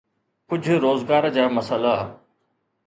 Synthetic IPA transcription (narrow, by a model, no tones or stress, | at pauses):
kʊd͡ʑʱʊɾoːzɡaːɾd͡ʑaːmɐsəla